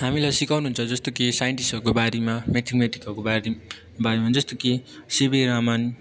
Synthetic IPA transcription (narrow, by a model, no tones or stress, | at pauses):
ɦamilajsikawnuɦunt͡sʰʌd͡zʌst̪okesajenʈisʌrkobaɾemameʈ̪ʰikmeʈikʌkobaɾe | baɾemad͡zʌst̪okesebeɾaman